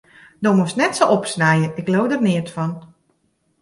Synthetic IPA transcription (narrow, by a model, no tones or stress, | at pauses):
domustnɛtsoɔpsnɛjəɪklowdərnɪətfɔn